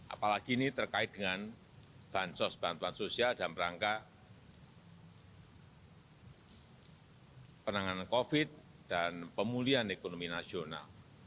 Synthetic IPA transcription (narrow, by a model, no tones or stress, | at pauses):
ʔa̰palaɡ̥init̪ərkaɪt̪̚dəŋan | b̥ansɔsb̥ant̪uansosialdanpəɾaŋka | pənaŋanankofɪt̪̚ | d̥anpəmulianekonominasiona̰l